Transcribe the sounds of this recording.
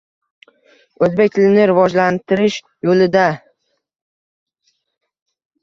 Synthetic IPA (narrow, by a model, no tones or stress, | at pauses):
ɵzbek̚ʲt̪ʰɪlɪnɪɾɪvɒd͡ʒlant̪ʰɪɾɪʃ | jolɪd̪a